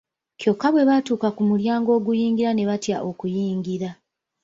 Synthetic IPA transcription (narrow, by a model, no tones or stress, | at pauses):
cjo̞kːaβwe̞βatuːkakumuljaːŋɡo̞ːɡujiːŋɡiɾane̞βatjaʔo̞kujiːŋɡiɾa